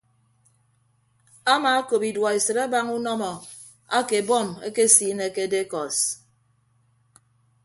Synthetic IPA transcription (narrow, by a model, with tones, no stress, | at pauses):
a˦maː˨a˦ko˨pi˨dwɔ˨e˨sɨ˨ɾa˦ba˦ŋu˦nɔ˦mɔ˨ | a˦ke˨bɔ˦˨mḛ˦ke˦si˨˦ne˨ke˦de˦kɔ˨s